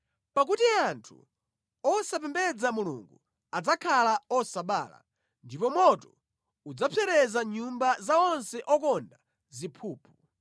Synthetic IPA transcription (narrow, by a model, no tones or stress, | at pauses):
pak̬utiantʰṵ | ɔsapɛmbɛd͡zamulṵŋɡu | ad͡zakʰalaɔsaɓa̰ːla̰ | ndipɔmɔtɔ | ud͡zapʰɛɾɛzaɲumbazaɔnsɛʔɔkɔnda | zipʰuːpʰu